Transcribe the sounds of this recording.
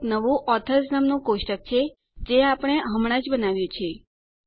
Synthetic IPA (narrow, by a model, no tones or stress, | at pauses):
nəʋũʔɔt̪ʰəsnamnũkoʃʈək̚t͡ʃʰe | d͡ʒeapəɽ̃eɦəmɽ̃ãd͡ʒbənaʋjũt͡ʃʰe